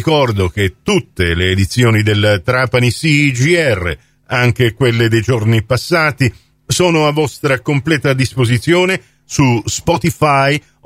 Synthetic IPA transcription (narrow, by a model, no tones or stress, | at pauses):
ikɔrd̪ok̟et̪ːut̪ːeleːd̪it̪sːjoːnid̪elt̪ɾaːpanisid͡ʒiɛrːḛ | aŋk̟ekwelːed̪ejd͡ʒornipasːaːt̪i | soːnoavːɔst̪ɾakomplɛːt̪ad̪ispozit̪sːjoːne | suspɔt̪ifaj